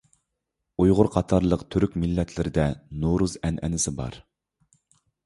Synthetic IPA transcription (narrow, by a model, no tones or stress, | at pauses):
ujʁʊɾqʰɑt̪ʰɑɾlˠəqt̪ʰyɾykʲmilːɛt̪ʰlɪɾɪd̪ɛnoɾuzɛnʔɛ̰nɪsɪbɑ̰ɾ